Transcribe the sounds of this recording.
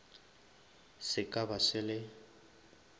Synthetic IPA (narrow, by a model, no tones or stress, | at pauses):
sɪkʼabasɪlɪ